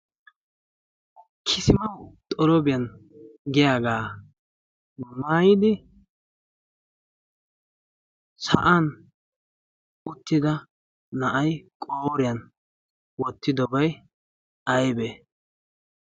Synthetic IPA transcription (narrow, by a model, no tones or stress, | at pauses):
kʰɪsɪmɐwt̪ʼɔɾɔbɪjɐnɡɪjaːɡaː | maːjɪd̪ɪ | sɐ̰ʔan | ʊt̪ːɪd̪ɐ | nɐʔɐjkʼoːɾɪjɐn | wɔt̪ːɪd̪ɔbɐj | ɐjbe